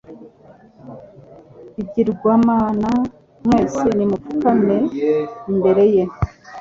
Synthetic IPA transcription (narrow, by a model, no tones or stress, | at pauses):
iɟiɾɡwaːmaːna | mŋeːsinimufukame̞imbe̞ɾe̞je